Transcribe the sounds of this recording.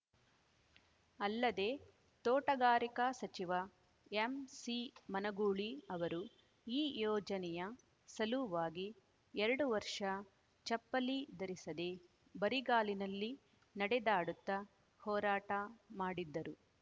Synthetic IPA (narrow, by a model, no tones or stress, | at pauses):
ɐlːɐd̪e̞ː | t̪oːʈɐɡaːɾikɐsɐt͡ʃiʋɐ | emsimɐnɐɡuːɭiɐʋɐɾu | iːjɔːd͡ʒɐnɛjɐ | sɐluʋaːɡi | ɛɾɐɽuʋɐɾʂɐ | t͡ʃɐpːɐlid̪ɐɾisɐd̪e | bɐɾiɡaːlinɐlːi | nɐɽɛd̪aːɽut̪ːɐ | hɔːɾaːʈɐmaːɽid̪ːɐɾu